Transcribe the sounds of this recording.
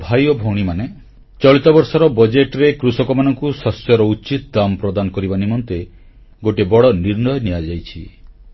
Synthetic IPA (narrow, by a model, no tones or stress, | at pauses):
bʱajɔbʱowɽ̃imane | t͡ʃɔɭit̪ɔbɔɾsɔɾɔbɔd͡ʒeʈɾekɾusɔkɔmanɔŋkusɔsjɔɾɔut͡ʃit̪ɔd̪amɔpɾɔd̪anɔkɔɾibanimɔnt̪e | ɡoʈebɔɽɔniɾnɔjɔniad͡ʒajt͡ʃʰi